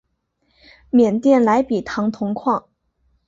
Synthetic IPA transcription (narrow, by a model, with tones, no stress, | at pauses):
mjɛ˨˩nt̪jɛ˥˩nla˧˥ɪpi˨˩t̪ʰɑ˧˥ŋt̪ʰʊ˧˥ŋkʰwɑ˥˩ŋ